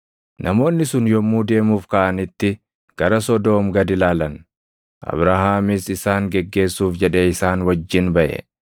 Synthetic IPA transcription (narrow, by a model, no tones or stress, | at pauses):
nʔɐmo̞ːnːɪsʊnjɔmːuːd̪e̞ːmuːfkɐʔɐnɪt̪ːɪ | ɡ̥ɐɾɐsɔd̪oːmɡɐd̪ɪlaːlɐn | ʔɐ̰bɾahaːmisɪsaːŋɡɛɡːe̞ːsːuːfd͡ʒɛᶑɛɪsaːnwɐd͡ʒːɪnbɐʔɛ̰